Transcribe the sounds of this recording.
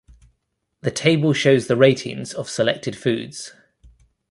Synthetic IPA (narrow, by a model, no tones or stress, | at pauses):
ðətʰeɪbəlˠʃəʊzðəɹeɪtʰɪ̰̃ŋz̥əv̥sɪlɛ̰k̚tʰɪd̥fʉ̰ːdz̥